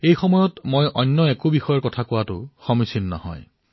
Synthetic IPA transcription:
ejxɔmɔjɔtmojʔɔnːɔɛkʊbixɔjɔɹkɔtʰakʊwatʊ̰xɔmisinːa̰hɔ̰j

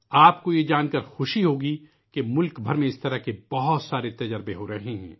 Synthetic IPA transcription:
aːp̚kojed͡ʒaːnkɐɾxʊʃiɦoːɡi | kemʊlkbʱɐɾmẽɪst̪ɐɾakebɐɦʊt̪saːɾet̪ɐd͡ʒəɾbeɦoɾɐɦẽɦɛ̰̃ː

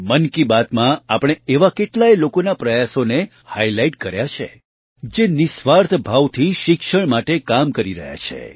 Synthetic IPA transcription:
mənkibat̪mãapɽ̃eeʋakeʈlajlokonapɾəjasone | hajlaiʈkəɾjat͡ʃʰḛ | d͡ʒenɪsʋaɾt̪ʰbʱaʋt̪ʰiʃɪkʃəɳ̃maʈekamkəɾiɾə̰ɦja̰t͡ʃʰḛ

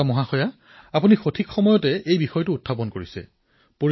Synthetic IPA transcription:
amɔɦaxɔja | apunixotʰikxɔmɔjɔtɛejbixɔjɔtʊːt̚ʰːapɔnkoɹisɛ̰ | po

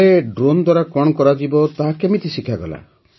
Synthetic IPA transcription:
eɖɾond̪waɾakɔɽ̃ɔkɔɾad͡ʒibɔt̪aɦakemit̪isikʰaɡɔla̰

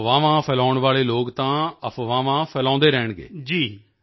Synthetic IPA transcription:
ʋaːʋãːpʰɛlãːʊɳʋaːleːloːkt̪ãːəpʰʋãːʋãːpʰɛːlɔ̃ːnd̪eːɾɛːɳɡḛːd͡ʒiː

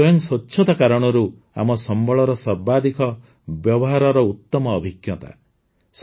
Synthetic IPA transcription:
ɔjɔŋsɔtːʃʰɔt̪ɔkaɾɔɽ̃ɔɾu | a̰mɔsɔmbʱɔɭɔɾɔsɔɾbad̪ikʰɔ | bjɔbɔɦaɾɔɾɔut̪ːɔmɔːbʱiɡjɔt̪a̰ | s

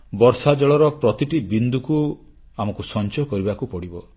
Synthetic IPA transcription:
bɔɾsad͡ʒɔɭɔɾɔpɾɔt̪iʈibind̪uku | amɔkusɔnt͡ʃɔkɔɾibakupɔɽibɔ

